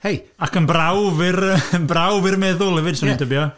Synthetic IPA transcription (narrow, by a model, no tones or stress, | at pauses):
hej | akʰənbrawvɪrəbrawvɪrmɛðʊlˠɛvɪd̥sanindəbjɔ